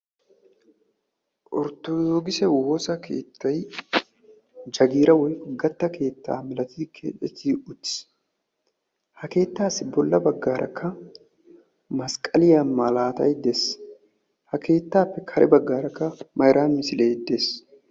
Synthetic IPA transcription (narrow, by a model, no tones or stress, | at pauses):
ʔɔ̰ɾt̪ːɔdoːɡɪsɛwoːsɐkʰe̞̰ːt̪ːɐj | d͡ʒɐɡiːɾɐwɔjkɔɡɐt̪ːɐkʰe̞ːt̪ːa̰ːmɛlɐt̪ɪd̪ɪkʰːḛɛt̪ːɪʊt̪ːɪ̥s | hɐke̞ːt̪ːaːsɪbɔlːɐbɐɡːaːɾʔɐ̰kʰːɐ | mɐskʼɐlɪjamːalaːt̪ɐ̰jd̪es | hɐke̞ːt̪ːaːpːɛkʰɐɾʔɛ̰bɐɡːaːɾɐkːɐmɐjɾʔaːnmɪsɪleːd̪es